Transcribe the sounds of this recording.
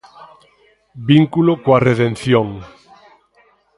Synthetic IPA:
biŋkulokwareðẽnθjoŋ

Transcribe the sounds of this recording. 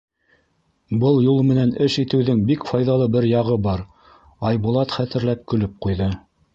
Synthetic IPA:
bɤlˠjulˠmɘ̆nænɘʃit̪ɘ̆wðɘŋbikfɑjðɑlˠɤbɘɾjɑʁɤbɑɾ | ɑjβŭlˠɑt̪χæt̪ɘ̆ɾlæp̚kɵ̆lɵp̚qujðɤ

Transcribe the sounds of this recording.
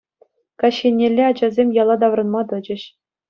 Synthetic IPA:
kɑɕːenʲːelʲːeɑd͡ʑɑzʲemʲjɑlˠɑd̪ɑʋrɤ̆nmɑt̪ɤ̆d͡ʑɘ̆ɕ

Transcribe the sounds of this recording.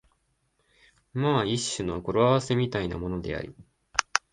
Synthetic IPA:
maːiɕːɨno̞ko̞ɾoaβase̞mʲit̪aina̰mo̞no̞d̪e̞̰a̰ɾʲḭ

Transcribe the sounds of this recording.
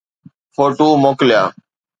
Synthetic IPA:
fʰoːʈuːmoːklɪjaː

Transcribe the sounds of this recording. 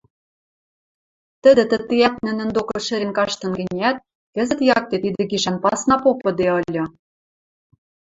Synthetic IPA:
t̪ə̆d̪ɘ̆t̪ə̆t̪ːijæt̪nɘ̆nɘ̆nd̪okɤ̆ʃɘ̆ɾenkɑʃt̪ɤ̆nɡɘ̆nʲæt̪̚ | kɘ̆zɘ̆t̪jɑk̚t̪et̪id̪ɘ̆ɡiʃænpɑsnɑpopɤ̆d̪eɤ̆lʲɤ̆

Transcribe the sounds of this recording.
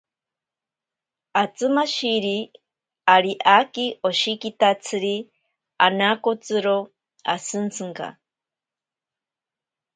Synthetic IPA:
at͡sɨmaʃiɾi | aɾiʔakioʃikit̪at͡sʰɨɾi | a̰nakot͡sɨɾo | a̰sɨnt͡sʰɨŋka̰

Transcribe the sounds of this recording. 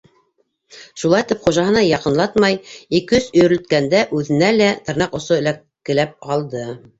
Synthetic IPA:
ʃulˠɑjt̪ɘpχuʒɑɦɤ̆nɑjɑqɤ̆nlˠɑt̪mɑjikɵzɵ̆jɾɘ̆lt̪kænd̪æʔʉðɘ̆nælæt̪ɤ̆ɾnɑqŏsoɘ̆lækːɘ̆læp̚ɑlˠd̪ɤ

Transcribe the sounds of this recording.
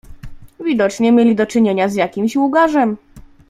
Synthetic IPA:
vʲid̪ɔt͡ʂɲɛmʲjelʲid̪ɔt͡ʂɘɲeɲazjakʲimɕwuɡaʐɛm

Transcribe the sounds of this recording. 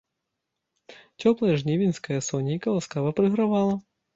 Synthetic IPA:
t͡sʲɔplˠɐjɛʐnʲivʲinʲsʲkɐjɐsɔnʲijkɐlˠaskavɐpɾɨɣɾavalˠɐ

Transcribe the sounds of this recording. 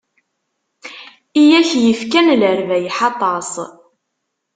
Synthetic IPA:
ijæçjəfkænlɾvæjħɑt̪ˤːɑsˤ

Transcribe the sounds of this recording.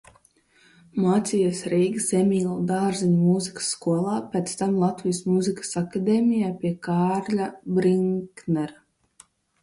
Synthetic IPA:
maːt̪sʲijasɾiːɡsʲemʲiːlˠud̪aːɾzinmuzikə̥sːkuɔlˠɑːpɛt̪st̪amlˠat̪vijəsmuzikə̥sakad̪eːmʲijaːpʲiɛkaːɾʎʲabɾiŋknɛɾa

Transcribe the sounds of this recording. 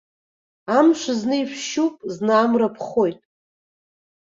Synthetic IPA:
amʃʷaznɨiʃʷʃupʼznaaːmrapʰχojtʼ

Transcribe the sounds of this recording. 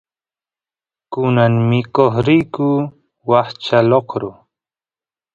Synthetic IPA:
kʊnaŋmɪkoχɾijku | wɑχt͡ʃaloqɾʊ

